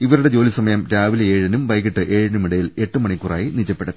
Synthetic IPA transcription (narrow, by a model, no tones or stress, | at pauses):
iʋɐɾuɽe̞d͡ʑo̞ːlisɐmɐjɐmɾaːʋilɐeːɻɐnumʋɐjɣiʈːɨʔe̞ːɻɐnumiɽɐjile̞ʈːɨmɐɳikːura̰ːjinid͡ʑɐpːeɽɐð